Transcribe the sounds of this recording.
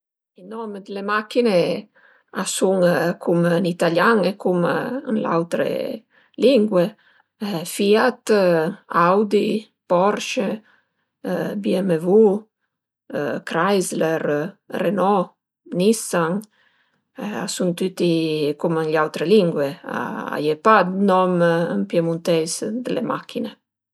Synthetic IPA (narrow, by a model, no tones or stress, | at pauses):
inɔmd̪lemakine | asuŋkʰumnit̪aljaŋɛkumənla̰wt̪ɾḛ | liŋɡwe | fiat̪ | awd̪i | pɔɾʃe | biɛmevu | kɾajzlɛɾrɛnɔ | nisaŋ | a̰sunt̪yt̪ikumənʎawt̪ɾɛliŋɡwɛa̰a̰jɛpad̪nɔmənpjɛmunt̪ɛsd̪əlemakine